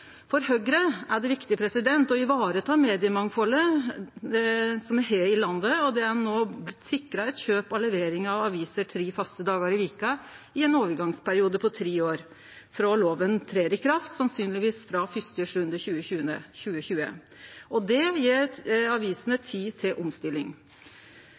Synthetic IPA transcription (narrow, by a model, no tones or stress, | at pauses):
fɔɾhœɡɾəæɖɛʋɪkt̪ɪəpʰɾɛsɪd̪ɛnt̪ɔɪʋɑːɾət̪ʰɑːmeːd̪ɪəmɑŋfɔlːə | sɔmæɦeːɪlɑnd̪əɔd̪ɛænoːblɪt̪ːsɪkːɾɑɛt̪çøːpɑləʋeːɾɪŋɑʋɑʋiːsəʈʰɾiːfɑst̪əd̪ɑːɡəɾɪʋiːkəɪɛnoːʋəɾɡɑŋspʰæɾɪuːd̪əpʰɔt̪ʰɾiːoːɾ | fɾɑloːʋənt̪ʰɾeːɾɪkʰɾɑft̪sɑnsyːnlɪʋiːsfɾɑfʏst̪yʂʉnd̪əçʉːəçʉːəçʉːəçʉːə̰ | ʔɔd̪ɛjeːɾɑʋiːsənət̪ʰiːt̪ʰɪlʔɔmst̪ɪlɪŋ